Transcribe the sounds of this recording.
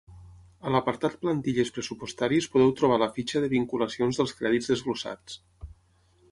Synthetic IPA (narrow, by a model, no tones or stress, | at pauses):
ələpəɾt̪at̪̚plənt̪iʎəspɾəsupust̪aɾiəspuðɛwt̪ɾuβ̞aləfit͡ʃəðəβiŋkuləsionzðəlˠskɾɛðid͡zðəzɣlusa̰t͡s